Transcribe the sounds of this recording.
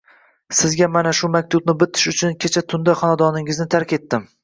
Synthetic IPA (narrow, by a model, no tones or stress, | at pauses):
sɪzɡʲamanaʃʊmak̚ʲt̪ʰʊbnɪbɪt̪ʰɪ̥ʃʊt͡ʃʰʊnkʲet͡ʃʰat̪ʰʊnd̪aχɒnad̪ɒnɪŋɪznɪt̪ʰaɾkʲe̞t̪ːɪm